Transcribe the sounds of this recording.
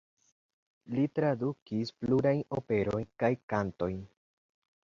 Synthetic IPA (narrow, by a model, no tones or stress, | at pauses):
litɾadukispluɾajno̞pe̞ɾo̞jnkajkanto̞jn